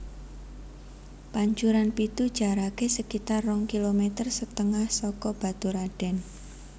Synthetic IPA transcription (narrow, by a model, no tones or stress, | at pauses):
paɲt͡ʃuɾanpit̪ud̥ʒ̥a̤ɾakesəkit̪arːɔŋkilomet̪ərsət̪əŋahsɔkɔb̥a̤d̪uɾaɖ̥ɛ̤n